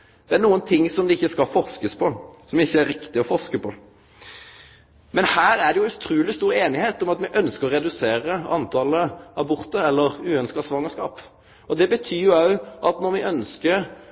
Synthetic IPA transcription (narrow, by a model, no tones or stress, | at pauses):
d̪̥ɛænuːənt̪ʰɪŋːsɔmd̪ɛɪçːəskɑlfɔʁskəspʰɔsɔmʋɪçːəæɾːɪkt̪ɪɔfɔʁʂkəpʰɔ | mɛnhæːɾæɖɛjʊʉt̪ʰɾʉːlɪst̪uːɾeːnɪheːt̪ɔmɑt̪mɛʔœnskəʁɔʁɛd̪ʉseːɾəɑnt̪ʰɑləɑbʊʁt̪əɾɛlːəɾʉːœnskɑsʋɑŋːəskɑːp | ɔd̪ɛbət̪ʰyːjʊɑʉʔɑt̪nɔɾʋɪʔœnskəɾ